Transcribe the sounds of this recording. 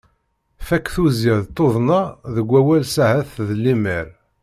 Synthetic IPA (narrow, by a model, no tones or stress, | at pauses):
fækːθuziðt̪ˤːoðˤnɑðəɡʷːæwælsæhæθðəlːiməɾ